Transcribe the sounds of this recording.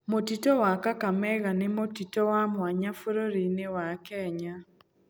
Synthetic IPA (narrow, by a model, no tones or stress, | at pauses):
motitɔwakakamɛɣanemotitɔwamwaɲafuɾoɾinewakɛɲa